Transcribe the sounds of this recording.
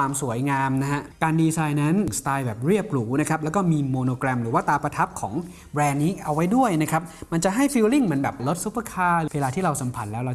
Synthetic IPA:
aː˧msu˨˩˦əjŋaː˧mna˦˥ɦa˦˥ʔkaː˧ndiː˧saː˧jna˦˥n˩ŋst̪aː˧jbɛː˨˩p̚ɾi˥˩əp̚luː˩˦na˦˥kʰɾa˦˥p̚lɛː˦˥wkɔː˥˩miː˧moː˧noː˧kɾɛː˧mɾɯː˩˦waː˥˩t̪aː˧pɾa˧t̪ʰa˦˥p̚kʰɔː˩˦ŋ | bɾɛː˧nːiː˦˥ʔa˧wa˦˥jdu˥˩əjna˦˥kʰɾa˦˥p̚ma˧nt͡ɕa˨˩ʔɦa˥˩jfi˧wli˥˩ŋma˩˧˦nbɛː˨˩p̚lo˦˥t̪̚su˦˥pːa˧˩kʰaː˧ɯː˩weː˧laː˧t̪ʰiː˥˩ɾa˧wsa˩˦mpʰa˨˩t̪̚lɛː˦˥wɾa˧

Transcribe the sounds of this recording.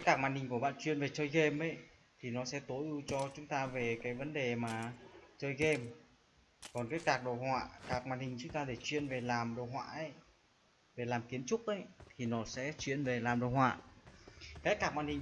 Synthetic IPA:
ka˨˦˥jkaː˧˩k̚maː˧˨nhï˨˩ŋ̟ku˧˩əɓa̰ː˧˨nt͡ɕwi˧˨ənve˨˩t͡ɕəː˧jɣe˧mʔə˨˦j | t̪ʰi˨˩nɔ˨˦sɛ̰˧˥t̪o˨˦jʔɨ˧t͡ɕɔ˧t͡ɕʊ˨˦ŋ͡mt̪aː˧ve˨˩kaː˨˦jvə˨˦nɗe˨˩maː˨˩t͡ɕəː˧jɣe˧m | kɔ˨˩nkaː˨˦jkaː˨˩k̚ɗo̰˧˨hwa̰ː˧˨kaː˨˩k̚maː˧˨nhï˨˩ŋ̟t͡ɕʊ˨˦˥ŋ͡mt̪aː˧ɗe˧˩t͡ɕwḭ˧˨ənve˨˩laː˨˩mɗo̰˧˨ɦwa̰ː˧˨ʔə˨˦j | ve˨˩laː˨˩mki˨˦ənt͡ɕʊ˦˥k͡p̚ʔə˨˦jt̪ʰi˨˩nɔ˨˦sɛ̰˧˥t͡ɕwḭ˧˨ənve˨˩laː˨˩mɗo̰˧˨hwa̰ː˧˨ | kaː˨˦˥jkaː˧˩k̚maː˧˨nhi˨ŋ

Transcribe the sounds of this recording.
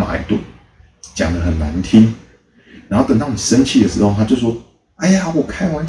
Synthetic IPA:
ma̰˨˩ḭ˦˩t̪wə̰˥˩ | t͡ɕja̰˨˩ŋd̪ə˦xə˨˩nːa˧˦nt̪ʰi˦ŋ | ɻa˨˥nxo˥˩t̪ə˨˩ŋt̪ɑ˥˩wɔ˨˩ʂə˦˥nt͡ɕʰi˥˩d̪ə˩ʂɻ̩˧˥ho˥˧t̪ʰa˥t͡ɕjo˥˧ʊsʂwɔ˥ | a˥˩ɪja˨wɔ˨˩kʰa˥ɪwa˧˦n

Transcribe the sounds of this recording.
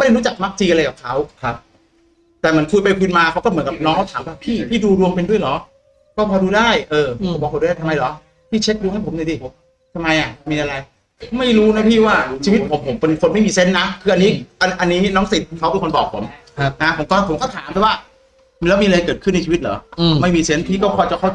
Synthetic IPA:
ma˥˩˨a˥˩ɾuː˦˥t͡ɕa˨˩k̚ma˦˥k̚t͡ɕiː˧ʔa˧ɾa˧jkaː˨˩p̚kʰa˦˥wkʰa˦˥p̚ | t̪ɛː˨˩mɯ˩˦nkʰu˧jpa˧jkʰɯː˧nmaː˧kʰa˦˥wkɔ˥˩m˩˦nka˨˩p̚nɔː˦˥ŋɔ˥˩t̪ʰaː˩˦mwaː˥˩pʰiː˥˩pʰiː˥˩duː˧ɾu˧əŋpe˧ndu˥˩əjlɔː˩˦ | kɔː˥˩pʰɔː˧duː˧daː˥˩jʔɤː˧o˨˦pɔː˨˩pʰːduː˧˥˩aː˥˩t̪ʰa˧ma˧jlɔ˨˩˦ | pʰiː˥˩t͡ɕʰe˦˥k̚ɾu˧ŋha˥˩pʰo˨˦na˧˩di˧˩ | t̪ʰa˧mːa˧jʔa˨˩miː˧ʔa˧ɾa˧j | ma˥˩jɾuː˦˥na˦˥pʰiː˥˩waː˥˩t͡ɕʰiː˧wi˦˥t̪̚pʰo˩˦mpʰo˩˦mpe˧nkʰo˧nma˥˩jmiː˧se˦˥nːa˦˥kʰɯː˧ʔa˧nːiː˦˥ʔa˧ʔa˧nːiː˦˥nɔː˦˥ŋsi˨˩t̪̚kʰa˦˥wbe˧kʰo˧nbɔː˨˩k̚pʰo˩˦m˦ | na˦˥pʰo˩˦mt̪ɔː˧a˥˩pʰo˩˦mkɔ˥˩t̪ʰaː˩˦mbɛ˨˩waː˥˩ | lɛ˦˥wmi˧ʔa˧ɾa˧jkɤː˨˩t̪̚ʰɯ˥˩n˧jt͡ɕʰi˧˦i˦t̪̚lɔː˨˦˧ma˥˩jmiː˧se˦˥npʰiː˥˩kɔː˥˩kʰɔː˧˩jt͡ɕa˨˩kʰa˥˩t͡ɕ

